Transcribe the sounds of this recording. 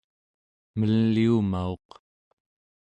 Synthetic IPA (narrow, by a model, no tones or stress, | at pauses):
məlːiumao̞q